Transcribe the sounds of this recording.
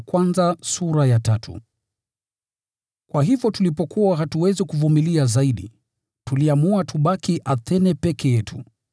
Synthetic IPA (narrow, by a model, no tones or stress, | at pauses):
kwanzasuɾajatatʰṵ | kwaɦivjɔtulipɔkuaɦatuwɛzikuvumiliazaiɗḭ | tuliamuatʰuɓakiʔaθɛnɛpɛkɛjɛtʰṵ